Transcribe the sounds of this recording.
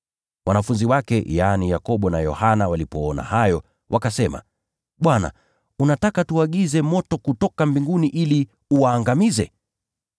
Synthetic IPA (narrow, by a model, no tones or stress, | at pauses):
wʔanafunziwakɛjaːnijakɔɓɔna̰jɔ̰hanawalipɔɔna̰hajɔ | wʔakasɛma̰ | ɓwana̰ | unatakatuaɠizɛmɔtɔkutɔkambiŋɡuniʔili | uwaːŋɡamizɛ̰